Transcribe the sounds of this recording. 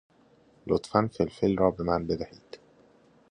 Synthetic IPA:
lot̪fænfelfelrɒːbe̞mænbe̞d̪æhiːd̪̥

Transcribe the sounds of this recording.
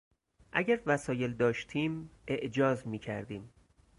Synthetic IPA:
ʔæɟæɾvæsɒːjeld̪ɒːʃt̪ʰiːme̞ʔd͡ʒɒːzmiːcʰæ̰ɾd̪iːm

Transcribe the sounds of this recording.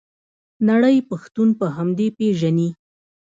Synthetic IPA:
naɽəjpaxt̪unpəɦamd̪epeʒani

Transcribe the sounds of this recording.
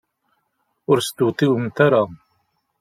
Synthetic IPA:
ʊɾst̪ut̪ˤiwəmt̪aɾa

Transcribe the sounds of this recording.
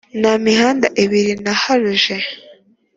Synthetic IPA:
namiɦaːndaʔiβiɾinahaɾuʒe

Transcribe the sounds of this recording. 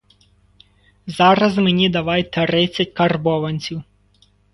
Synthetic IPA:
zɑɾɐzmenʲid̪ɐʋɑjt̪ɾɪt͡sʲːɐtʲkɐrbɔʋɐnʲt͡sʲiw

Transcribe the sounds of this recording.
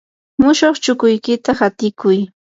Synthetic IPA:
mʊʃoχt͡ʃʊkʊjkɪt̪ahat̪ɪkʊj

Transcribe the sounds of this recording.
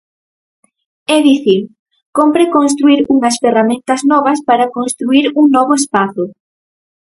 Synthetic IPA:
ɛðiθi | kompɾekonst̪ɾuiɾuŋɐsferamẽnt̪ɐznɔβ̞ɐspaɾɐkonst̪ɾuiɾuŋnɔβʊespaθʊ

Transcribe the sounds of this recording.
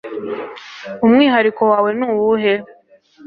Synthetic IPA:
umŋiːɦaɾiko̞waːwe̞nuwuɦe

